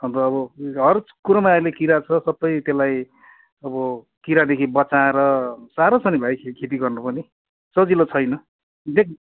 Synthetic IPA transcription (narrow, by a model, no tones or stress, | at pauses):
ʌmɾʌːbʌɦʌrkuɾʌmaalekiɾat͡sʰʌsʌbːʌjt̪elaj | ʌbʌ | kiɾad̪ekʰibʌt͡saɾʌsaɾot͡sʰʌnibʱajkʰekʰet̪̬iɡʌrnupʌni | t͡sʌd͡zilot͡sʰʌjnʌ | d̪ek̚ʰ